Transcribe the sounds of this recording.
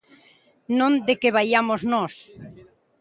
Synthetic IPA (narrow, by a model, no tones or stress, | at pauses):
nõnd̪ekeβ̞ajamoznɔs